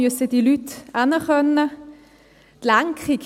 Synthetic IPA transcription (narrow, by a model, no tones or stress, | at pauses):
øsəd̥ilytʔanəχœnːə | t̪laŋkʁik